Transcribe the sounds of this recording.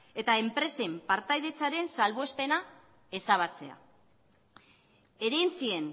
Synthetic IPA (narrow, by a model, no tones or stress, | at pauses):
e̞t̪ae̞mpɾe̞se̞mpaɾt̪ajðe̞t͡saɾe̞nsalβoe̞spe̞na | e̞saβ̞at͡se̞̰a̰ | eɾejnt͡sie̞n